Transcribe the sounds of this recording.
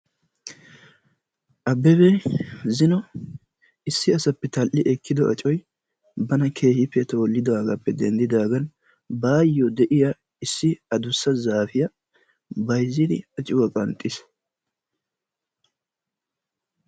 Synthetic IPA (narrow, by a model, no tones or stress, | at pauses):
ʔɐbːɛbɛzɪnɔ | ɪsːɪɐsɐpːɛt̪ɐlʔːɪʔɛkʰːɪd̪ɔʔɐ̰t͡ʃʼɔj | bɐnɐkʰe̞ːhɪpːɛt̪o̞ːlːɪd̪aːɡɐpːɛd̪ɛnd̪ɪd̪aːɡɐn | baːjːɔd̪ɛʔɪja | ɪsːɪɐd̪ʊsːɐzaːfɪjɐ | bɐjzːɪd̪ɪ̰ɐt͡ʃʼɪwɐkʼɐnt̪ʼːɪs